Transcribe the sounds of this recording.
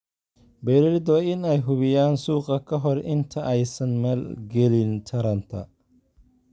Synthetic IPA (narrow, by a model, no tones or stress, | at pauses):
bɛːɾɛɾd̪ɔɪnɛjɦʊβɪjaːnsuːqɐkʰɐɦɔrʔɪnt̪ʰɐʔɛjsɐnmɛːlɡɛlɪnt̪ʰɐɾɐnt̪ʰɐ̰